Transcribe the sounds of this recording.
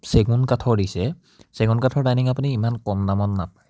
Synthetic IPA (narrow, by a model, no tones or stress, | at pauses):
seɡunkatʰɔɹdisɛ | seɡunkatʰɔɹdajniŋapuniːmankɔndamɔtːap̚aj